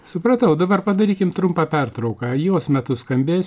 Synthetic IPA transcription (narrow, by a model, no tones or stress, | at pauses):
sʊpɾɐt̪ɐʊd̪ɐbɐrpɐd̪ɐɾʲiːkʲɪmt̪ɾʊmpɑːpʲɛrt̪ɾɐʊkɑjoːsmʲɛt̪ʊskɐmʲbʲeːs